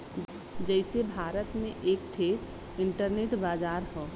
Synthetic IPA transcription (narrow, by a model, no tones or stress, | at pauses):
d͡ʒəɪsebʱaːɾət̪mẽʔeːk̚ʈʰeːɾ | ɪɳʈəɾneːʈbaːd͡ʒaːɾɦoː